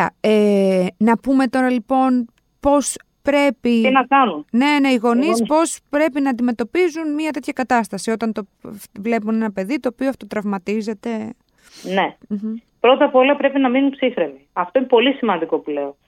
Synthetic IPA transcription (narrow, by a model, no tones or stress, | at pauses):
ɐ̰enɐpume̞t̪o̞ɾɐlipo̞n | po̞s | pɾe̞piinɐkɐnunne̞neiɣo̞nispo̞spɾe̞pinɐːnd̪ime̞t̪o̞pizunmɲɐt̪e̞t̪çɐkɐt̪ɐst̪ɐsio̞t̪ɐnt̪o̞vle̞punenɐpe̞ðit̪o̞ːpioɐft̪o̞t̪ɾɐvmɐt̪ize̞t̪e̞ | ne | pɾo̞t̪ɐpo̞lɐpɾe̞pinɐminunpsixɾemiɐft̪oinepo̞lisimɐnd̪iko̞pule̞o